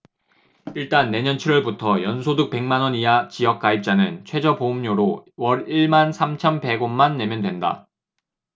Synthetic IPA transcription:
iɭt͈anːe̞ɲʌnt͡ɕʰiɾwʌɭbutʰʌjʌnsʰoduk̚p͈e̞ŋmanwʌniat͡ɕijʌk̚k͈aip̚t͡ɕ͈anɯnt͡ɕʰwe̞d͡ʑʌpomɲoɾowʌɾiɭmansʰamt͡ɕʰʌmpe̞ɡonmanːe̞mjʌndwe̞nda̰

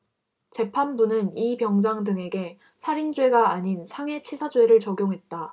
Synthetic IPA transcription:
t͡ɕe̞pʰanbunɯnipjʌŋd͡ʑaŋdɯŋe̞ɡe̞ | sʰaɾind͡ʑwe̞ɡaːɲinsʰaŋe̞t͡ɕʰisʰad͡ʑwe̞ɾɯɭt͡ɕʌɡjoŋɦe̞t̚t͈a

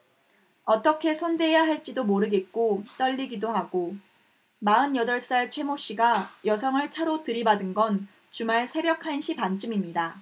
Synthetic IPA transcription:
ʌt͈ʌkʰe̞sʰonde̞ejaɦaɭt͡ɕ͈idomoɾɯɡe̞t̚k͈ot͈ʌʎːiɡidoɦaɡ̥o | maɯnjʌdʌɭs͈aɭt͡ɕʰwe̞moɕ͈iɡajʌsʰʌŋɯɭt͡ɕʰaɾotɯɾibadɯnɡʌn | t͡ɕumaɭsʰe̞bjʌkʰanɕʰipant͡ɕ͈ɯmimɲida

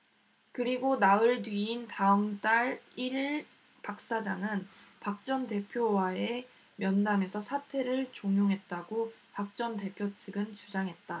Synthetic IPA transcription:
kɯɾiɡonaɯɭdɥiːntaɯmt͈aɭi | pak̚s͈ad͡ʑaŋɯnpak̚t͡ɕ͈ʌnte̞pʰjowae | mjʌndame̞sʰʌsʰatʰe̞ɾɯɭt͡ɕoŋjoŋɦe̞t̚t͈aɡopak̚t͡ɕ͈ʌnte̞pʰjot͡ɕʰɯɡɯnt͡ɕud͡ʑaŋɦe̞t̚t͈a

